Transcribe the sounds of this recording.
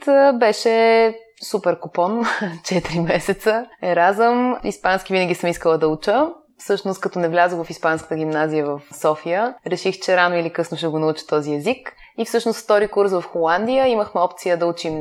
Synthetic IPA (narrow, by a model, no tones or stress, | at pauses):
t̪bɛʃɛ | supɛɾkopɔnt͡ʃɛt̪iɾimɛsɛt̪səɛɾazəmispanskʲivinəɡʲisəmiskəlˠəd̪ɐut͡ʃə | fsɤʃnʊst̪kɐt̪ɔnɛvlʲazəvɐfispanskət̪əɡʲimnazijəvəfsɔfijəɾɛʃixt͡ʃɛɾanoilikɤsnʊʃt̪ɛɡʊnɐut͡ʃə̥t̪ɔziɛzik | ifsɤʃnʊsft̪ɔɾikuɾsvɐfxolˠand̪ijəiməxmɛɔpt̪sijəd̪ɐut͡ʃim